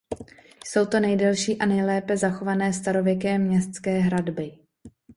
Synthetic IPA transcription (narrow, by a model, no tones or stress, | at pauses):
jso̞wt̪o̞nɛjdɛlʃiːʔanɛjlɛːpɛzaxo̞vanɛːst̪aɾo̞vjɛkɛːmɲɛst̪t͡skɛːɦɾadbɪ